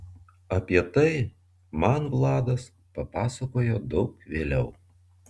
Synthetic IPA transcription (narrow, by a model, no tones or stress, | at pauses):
ɐpʲiɛt̪ɐɪ | mɑnʋlˠɑːd̪ɐs | pɐpɑːsɐkoːjoːd̪ɒʊkʋʲeːlʲɛʊ